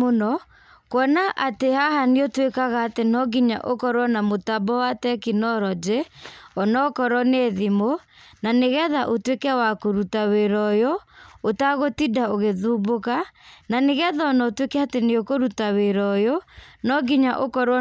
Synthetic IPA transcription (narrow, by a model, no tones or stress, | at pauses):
onɔ | kwɔnaʔatehahaniotwekaɣaːtenɔɡiɲa̰ʔokɔɾwɔnamotabɔwatɛkinɔɾɔd͡ʒeɔnɔkɔɾɔneðimo | naneɣɛðaʔotwekɛwakoɾutaweɾɔjɔotaɣotidaoɣeðubokananeɣɛðaɔnɔotwekɛateneokoɾutaweɾɔjonɔɡiɲaʔokɔɾwɔ